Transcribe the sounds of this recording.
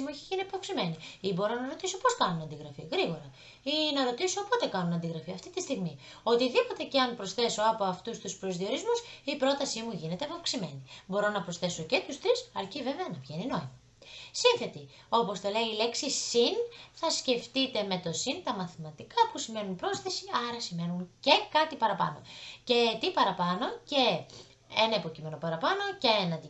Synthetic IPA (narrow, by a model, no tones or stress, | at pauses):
mueçiʝiniɐpɐfksime̞niibo̞ɾo̞nɐɾo̞t̪iso̞po̞skɐnunɐnd̪iɣɾɐfiɣɾiɣo̞ɾɐ | inɐɾo̞t̪isoːpo̞t̪e̞kɐnunɐnd̪iɣɾɐfiɐft̪it̪ist̪iɣmi | o̞t̪iðipo̞t̪e̞ceɐnpɾo̞sθe̞so̞ɐpo̞ɐft̪ust̪uspɾo̞zðio̞ɾizmusipɾo̞t̪ɐsimuʝine̞t̪epɐfksime̞nibo̞ɾo̞nɐpɾosθe̞so̞ce̞t̪ust̪ɾisɐɾciveveɐnɐvʝe̞nino̞imɐ | sinθe̞t̪i | o̞po̞st̪o̞le̞iːle̞ksisinθɐsce̞ft̪it̪e̞me̞t̪o̞sint̪ɐmɐθimɐt̪ikɐpusime̞nunpɾo̞sθe̞siɐɾɐsime̞nunce̞kɐt̪ipɐɾɐpɐ̰no̞̰ce̞t̪ipɐɾɐpɐno̞ce̞ | enɐipo̞cime̞no̞pɐɾɐpɐno̞ceenɐd̪i